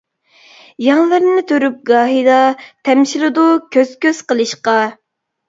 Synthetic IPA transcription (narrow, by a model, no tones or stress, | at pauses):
jɑŋlˠɨɾnɨt̪ʰøɾyp̚ɡɑːɦid̪ɑt̪ʰɛmʃilɨd̪ukʲʰøz̥kʲøz̥qəlˠɨʃqɑ